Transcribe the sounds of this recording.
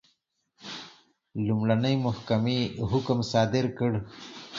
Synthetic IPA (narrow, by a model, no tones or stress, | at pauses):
lumɽanəjmʊhkameɦʊkmsɑd̪ɪɾkəɽ